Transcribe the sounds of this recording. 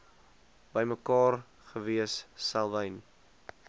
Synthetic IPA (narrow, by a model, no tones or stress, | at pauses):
b̥əjməkɑːr | χəviəsːælˠvəjn